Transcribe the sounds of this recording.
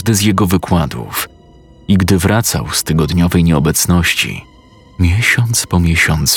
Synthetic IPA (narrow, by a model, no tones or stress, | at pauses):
d̪ɘzjɛɡɔvɘkwad̪ṵf | iɡd̪ɘvɾʔat̪sa̰wst̪ɘɡɔd̪ɲɔvɛjɲɛɔbɛt̪snɔɕt͡ɕḭ | mʲjɛɕɔnt̪spɔmʲjɛɕɔnt̪s